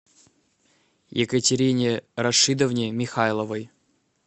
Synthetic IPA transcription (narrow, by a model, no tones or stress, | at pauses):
jɪkətʲɪɾʲinʲɪɾɐʂɨd̪əvnʲɪmʲɪxajlˠəvəj